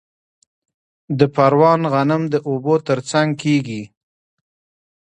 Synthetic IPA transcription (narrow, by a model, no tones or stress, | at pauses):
d̪əpaɾwɑnɣanɪmd̪əʔobot̪əɾt͡saŋɡ̚kʰeɡi